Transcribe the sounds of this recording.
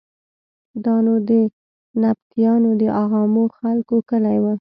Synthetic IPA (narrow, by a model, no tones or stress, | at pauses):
d̪ɑnod̪ə | nab̚t̪ijɑnod̪əʔɑɣɑmoxalkokəlajwə